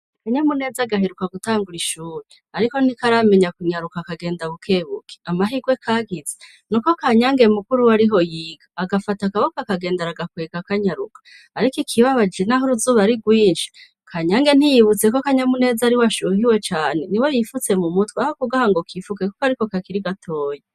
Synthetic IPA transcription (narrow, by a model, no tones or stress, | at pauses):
akaɲamune̞ːzaɡaɦeɾukaɡutaːŋɡuɾiʃuːɾe | aɾiko̞nikaɾame̞ɲakuɲaɾukakaɡe̞ːndaβukʰe̞βuke̥amaɦiɡwe̞kʰaːɡize | nuko̞kaɲaːŋɡe̞mukuɾuwaɾiɦo̞jiːɡaːɡafatakaβokakaɡe̞ːndaɾaɡakweːɡakaɲaɾukḁː | ɾikikʰiβaβad͡ʒenaɦuɾuzuːβaɾiɡwiːnʃi̥ | kʰaɲaːŋɡe̞n̥hijiβut͡se̞ko̞kaɲamune̞ːzaɾiwaʃuhiwe̞t͡ʃaːne̞niwejifut͡se̞mumutweahokuɡahaŋɡokʰifukekokaɾiko̞kakiɾiɡatʰo̞ːje